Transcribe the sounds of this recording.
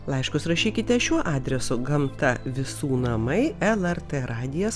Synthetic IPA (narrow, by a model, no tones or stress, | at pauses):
lˠɐɪʃkʊsɾɐʃʲiːkʲɪt̪ʲɛʃʲuɔʔɑːd̪ʲɾʲɛsʊɡɐmt̪ɐʋʲɪsuːnɐmɐɪɛlˠɛrt̪eɾɑːd̪ʲɪjɛs